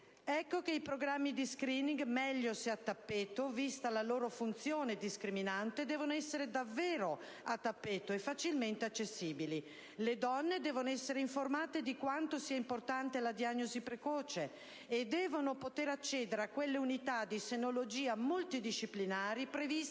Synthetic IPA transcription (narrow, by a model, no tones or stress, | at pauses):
ɛkːokeipɾoɡɾamːid̪iskɾiːniŋɡmɛʎːoseat̪ːapːeːt̪ovist̪alaloːɾofunt̪sjoːned̪iskɾiminant̪ed̪ɛːvonoɛsːeɾed̪avːeːɾo | at̪ːapːeːt̪oefːat͡ʃilment̪eat͡ʃːesːiːbili | led̪ɔnːed̪ɛːvonoɛsːeɾeiɱformaːt̪ed̪ikwant̪osiːaimport̪ant̪elad̪iaɲːozipɾekɔːt͡ʃeː | d̪ɛːvonopot̪eɾat͡ʃːɛːd̪eɾeakːwelːeunit̪ad̪isenolod͡ʒiːamult̪id̪iʃːiplinaːɾipɾevis